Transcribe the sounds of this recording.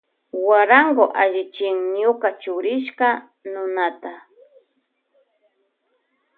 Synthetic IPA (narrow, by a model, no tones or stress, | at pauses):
waɾaŋɡoʔaʒɪt͡ʃɪŋɲʊkat͡ʃʊɾɪʃka | nʊnat̪a